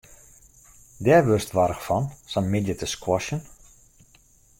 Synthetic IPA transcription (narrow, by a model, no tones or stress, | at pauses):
dɛʋøstʋaɾəxfɔnsanmidjətəskwɔʃən